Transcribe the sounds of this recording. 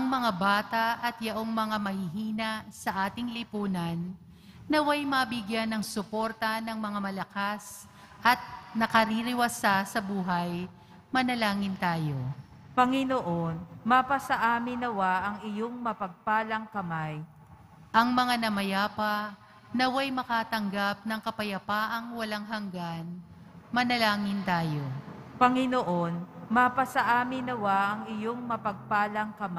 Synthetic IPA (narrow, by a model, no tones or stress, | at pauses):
ʔɐŋmɐŋabaːt̪aʔɐt̪̚jɐʔoŋmɐŋamɐhɪɦiːnɐsɐʔaːt̪ɪŋlɪpuːnɐnː | ɐwajmɐbɪɡjanɐŋsʊpo̞ɾt̪ɐnɐŋmɐŋamɐlɐkas | ʔɐt̪̚nɐkɐɾiɾɪwasasɐbuːɦɐj | mɐnɐlaːŋɪnt̪aːjo̞ | pɐŋɪnoʔonapɐsɐʔaːmɪnɐwaʔɐŋɪjoŋmɐpɐɡ̚paːlɐŋkɐmaj | ʔɐŋmɐŋanɐmɐjaːpɐ | nɐwɐjmɐkaːt̪ɐŋɡap̚nɐŋkɐpɐjɐpaːʔɐŋwɐlaŋɦɐŋɡan | mɐnɐlaːŋɪnt̪aːjo̞pɐŋɪnoʔonmapɐsɐʔaːmɪnɐwaʔɐŋɪjoŋmɐpɐɡ̚paːlɐŋkɐma